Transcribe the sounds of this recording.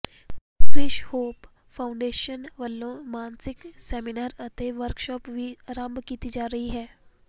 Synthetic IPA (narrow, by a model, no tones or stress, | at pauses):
fɾɪʃhoːp | fʰaʊɳɖeːʃənʋəlːõmaːnsɪksɛːminaːɾət̪eʋəɾkʃɔːpʋiɾãmbkiːt̪id͡ʒaːɾəɦiɦɛː